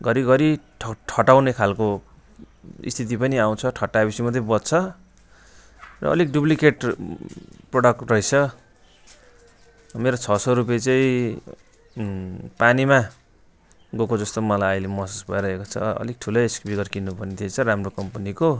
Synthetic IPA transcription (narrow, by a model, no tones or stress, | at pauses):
ɡʌɾiɡʌɾiʈʰʌʈʰʌʈaw̃nekʰalko | ḭst̪ʰit̪̬ipʌniaw̃t͡sʰʌʈʰʌʈːabisimʌt̪̬ʌbʌdt͡sʰʌ | rʌ̰ʌ̰lik̚ɖuplikeʈ | proɽʌk̚ʈrʌit͡sʰʌ | meɾot͡sʰʌsʌɾup̬et͡saĩ | panima | ɡokod͡zʌst̪omʌlajʌjlemʌsusbʱʌeɾʌɦekot͡sʰʌ̰ʌ̰lik̚ʈʰulʌjeskbiɡʌrkinːupʌrnit̪ʰiet͡sʰʌɾamrokʌmpʌniko